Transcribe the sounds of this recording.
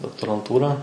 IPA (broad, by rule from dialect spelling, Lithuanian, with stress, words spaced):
doːktoːrɐnˈtuːrɑː